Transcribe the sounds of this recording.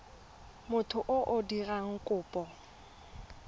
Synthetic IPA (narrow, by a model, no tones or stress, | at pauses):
mʊtʰʊʔʊʔʊdiraŋ̩kʼʊːpʼɔ